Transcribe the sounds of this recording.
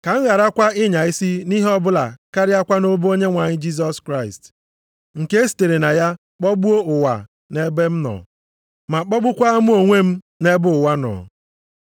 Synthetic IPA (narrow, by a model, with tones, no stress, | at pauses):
ka˨ŋ̩˦ɣa˨ɾa˦kʷa˦ɪ˦ɲa˨i˦si˦ni˦ɦɔ˦bʊ˦la̰˨ka˦ɾɪ˦a˦kʷa˦no˦bo˦ɲe˦ŋʷa˨ɲɪ˦d͡ʒi˦s̬ɔ˦skɾa˦ɪ˨st | ŋ̩˨ke˦s̬i̥˨te˨ɾe˨na˨ja˦ | k͡pɔ˦bu˦o˦ʊ˨wa̰˨ | ne˦be˦m̩˦nɔ̰˨ | ma˨k͡pɔ˦bʊ˦kʷa˦a˦mu˦o˨ŋʷe˦m̩˦ | ne˦bʊ˦ʊ˨wa˦nɔ̰˨